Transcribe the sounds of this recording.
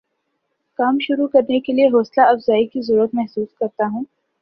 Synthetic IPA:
kaːmʃʊɾukɐɾnekelieɦoːslaɐfzaːikizɐɾuɾət̪mɛɦsuːskɐɾt̪aɦũː

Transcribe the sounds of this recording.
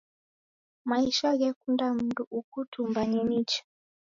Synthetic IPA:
maiʃaɣɛkundam̩duʔukutʰumbaninit͡ʃḁ

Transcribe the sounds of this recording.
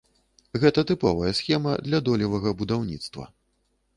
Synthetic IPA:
ɣɛt̪ɐt̪ɨpɔvɐjɛsʲxʲɛmɐd̪lʲɐd̪ɔlʲɐvɐɣɐbud̪awnʲḭt̪st̪vɐ̰

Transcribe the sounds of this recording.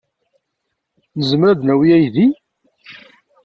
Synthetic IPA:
nəzəmɾæðnæwiæjði

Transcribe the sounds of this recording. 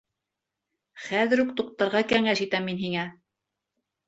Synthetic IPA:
χæðɘ̆ɾuk̚t̪uq̚t̪ɑɾʁɑkæŋæʃit̪æminɦiŋæ

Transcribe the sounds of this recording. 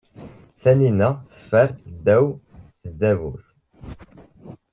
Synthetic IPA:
θæninæθəfːæɾd̪æwθəd̪ːævuθ

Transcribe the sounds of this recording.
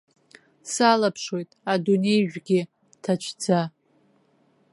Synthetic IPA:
salapʰʂwo̞jtʼadune̞jʒᶣɡʲɪ | tʰat͡ʃʷʰd͡za

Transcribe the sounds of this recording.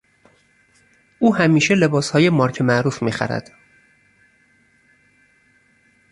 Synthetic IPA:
ʔuːhæmiːʃele̞bɒːshɒːje̞mɒːɾcʰemæʔɾuːfmiːxæ̰ɾæ̰d̪̥

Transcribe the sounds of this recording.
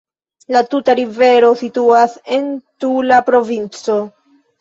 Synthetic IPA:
latutaɾive̞ɾo̞situase̞ntulapɾo̞vint͡so̞

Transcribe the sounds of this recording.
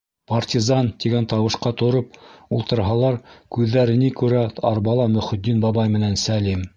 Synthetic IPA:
pɐrtʲizɑnt̪iɡænt̪ɑwɤ̆ʃqɑt̪ŏɾopulˠt̪ɤ̆ɾɦɑlˠɑɾkʉðːæɾɘ̆nikʉɾæɑɾbɑlˠɑmɵ̆χɵ̆t̪̚ːinbɑbɑjmɘ̆nænsælim

